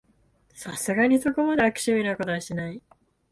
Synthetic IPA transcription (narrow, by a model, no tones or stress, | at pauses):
sasɨɡaɲ̟iso̞ko̞mad̪eakɯ̟̥ɕimʲinakot̪aɕenai